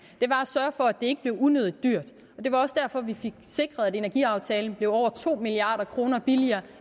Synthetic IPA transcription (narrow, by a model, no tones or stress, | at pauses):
d̥e̝ʋɑ̈æsɶːɐfɒ̽æd̥e̝e̝ɡ̥əb̥le̝ʊunøð̞̰ˠid̥d̥yɐ̰d̥ | ɒ̽d̥e̝ʋɑ̈ɒ̽sd̥æɐ̰fɒ̽ʋife̝ɡ̥se̝ɡ̥ʁɐð̩ˠæde̝næɐɡ̥ḭɑ̈ʊt͡sʰɛːln̩b̥le̝ʊɒʊ̰ɐt͡sʰo̝̰ːmiliɑ̰̈ːɾ̥ɐkʰʁo̝ːnɐb̥iliɐː